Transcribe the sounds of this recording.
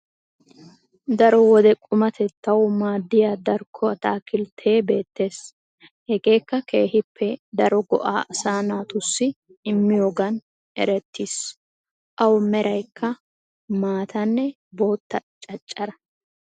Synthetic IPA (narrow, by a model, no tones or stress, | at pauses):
d̪ɐɾɔwɔd̪ɛkʼʊmɐt̪ʰɛt̪ːɐwmaːd̪ːɪjaːd̪ɐɾkʰːɔɐt̪aːkɪlt̪ʰe̞ːbe̞ːt̪ːe̞ːs | hɛɡe̞ːkːɐkʰe̞ːhɪpʰːɛd̪ɐɾɔɡɔ̰ʔa̰ːʔɐsaːnaːt̪ʊsːɪ | ɪmːɪjoːɡɐn | ɛ̰ɾɛt̪ʰːis | ʔɐwmɛɾɐjkʰːɐ | maːt̪ʰɐnːɛ | boːt̪ːɐt͡ʃʼɐt͡ʃʼːɐɾɐ